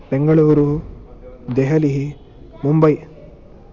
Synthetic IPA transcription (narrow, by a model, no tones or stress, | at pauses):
beŋɡɐɭuːɾu | d̪eɦɐliɦi | mumbɐj